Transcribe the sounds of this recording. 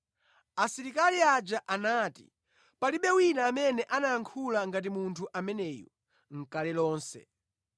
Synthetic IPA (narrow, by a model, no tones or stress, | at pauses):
asiɾikaliad͡ʒaʔanaːtḭ | paliɓɛwinaːmɛnɛʔanajaŋkʰulaŋɡat̬imuntʰuʔamɛnɛːjɔ̰ | ŋ̩kalɛlɔːnsɛ̰